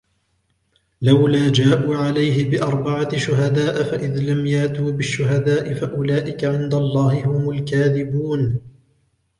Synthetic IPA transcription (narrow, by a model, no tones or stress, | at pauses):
lawlaːd͡ʒaːʔuːʕalajɦɪbɪʔɑɾˤbaʕaʃʊɦad̪aːʔfaʔɪðlamjaʔt̪uːbɪʃːʊɦad̪aːʔɪfaʔʊlaːʔɪkaʕɪnd̪alˤːɑːhɪhʊmʊlkaːðɪbuːn